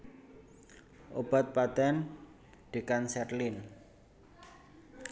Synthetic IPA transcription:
ʔob̥a̤t̪̚pat̪ɛn | ɖ̪̥e̤kansɛrlin

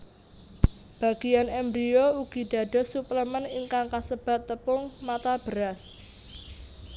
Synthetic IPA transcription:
b̥ä̤ɡ̥ijanɛmbɾiouɡ̥i̤ɖ̥ä̤ɖ̥ɔ̤supləməniŋkaŋkasəb̥ä̤t̪ːəpʊŋmat̪ab̥əɾas

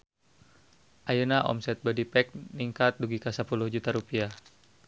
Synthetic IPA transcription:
ʔajunaʔɔ̰msɛt̪̚bɔdipɛk̚niŋkat̪̚duɡikasəpulʊhd͡ʒut̪aɾupia

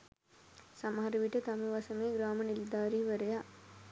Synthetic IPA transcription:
sɐmɦɐɾɐʋiʈət̪ɐmɐʋɐsɐmeːɡɾaːmɐnild̪aːɾiːʋəɾɐja

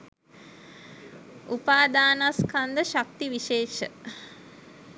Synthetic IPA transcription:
upaːd̪aːnaskand̪əʃakt̪iʋiʃeːʃə

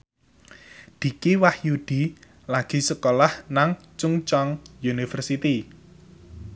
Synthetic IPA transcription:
d̪̥i̤kiwahjud̪̥i̤ | laɡ̥i̤səkolahnaŋt͡ʃuŋt͡ʃɔŋjunifərsit̪i

